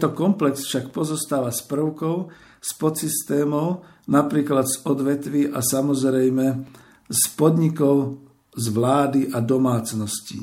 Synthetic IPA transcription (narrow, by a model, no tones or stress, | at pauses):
t̪ɔkɔmplɛksfʃakpɔzɔst̪aːʋaspr̩ʊkɔʊ | spɔt̪sist̪ɛːmɔʊ | napɾiːklad̪z̥ɔd̪ʋɛt̪ʋiʔasamɔzɾɛjmɛ | spɔd̪ɲikɔʊ | zʋlaːd̪iʔad̪ɔmaːt͡snɔscḭ